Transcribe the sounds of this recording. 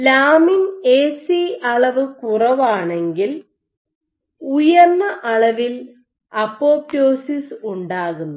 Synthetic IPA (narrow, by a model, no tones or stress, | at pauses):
laːmineːsiɐɭɐʋɨkurɐʋaːɳe̞ŋɡil | ujɐrnːɐʔɐɭɐʋil | ɐpːoːpːoːsisuɳɖaːɣunːu